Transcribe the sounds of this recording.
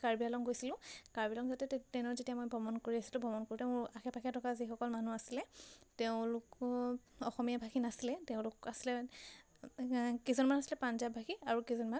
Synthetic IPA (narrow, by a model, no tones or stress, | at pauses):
kaɹbialɔŋɡojsilʊ̃kaɹbialɔŋzatɛttɛnɔzetiamojbʱɔmɔnkoɹiasi̥lʊ̃bʱɔmɔnkoɹutɛʊ̃axɛpʰakʰɛtɔkazixɔkɔlmanuasilɛtɛʊ̃lʊk | ɔxɔmijabʱaxinasilɛtɛʊ̃lʊkasilɛ | kizɔnmanasi̥lɛpanzabʱakʰiaɹukizɔnman